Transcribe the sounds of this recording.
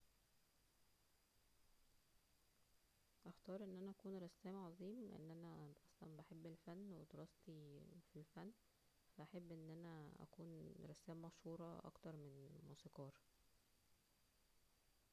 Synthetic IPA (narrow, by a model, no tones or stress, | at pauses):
ʔæxt̪ɑːɾˤʔenːʔænæʔækuːnɾˤɑsːæːmʕɑzˤiːml̰ʔḛnːʔænæʔɑsˤlɑ̰nbæħebːelfænːwed̪ɑɾˤɑst̪ifilfænː | fæʔæħebːʔenːʔænæʔæ̰kuːnɾˤɑsːæːmːɑʃhuːɾˤɑ̰ʔɑ̰kt̪ɑɾˤmenmuːsiqɑːɾˤ